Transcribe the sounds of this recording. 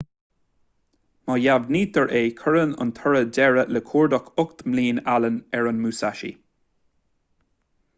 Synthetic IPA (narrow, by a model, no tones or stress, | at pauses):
mɑjavniːd̪əɹʔeːkʰəɹənʊ̰nt̪ʰɔɹədɛɹələkʰuːɹd̪ɔkʰʊkt̪mliːnalənɛɹənmuːsaʃḭ